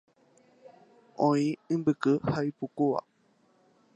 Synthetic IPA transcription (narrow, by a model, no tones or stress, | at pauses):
õĩɨ̃mbɨkɨhaipukua̰